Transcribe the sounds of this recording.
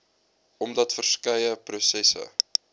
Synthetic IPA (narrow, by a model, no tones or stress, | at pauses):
ɔmdɐtfərskɐjəprusɛsə̰